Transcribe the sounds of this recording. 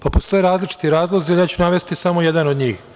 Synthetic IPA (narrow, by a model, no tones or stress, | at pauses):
papost̪o̞jeɾaːzlit͡ʃi̥t̪iɾaːzlˠozialjaːt͡ɕunaʋe̞st̪isamo̞je̞d̪ano̞d̪ɲiːx